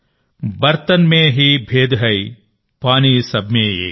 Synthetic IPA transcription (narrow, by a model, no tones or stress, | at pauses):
bɐɾt̪ənmẽɦibʱeːd̪ɦɐi | paːniːsɐbʱmẽḛː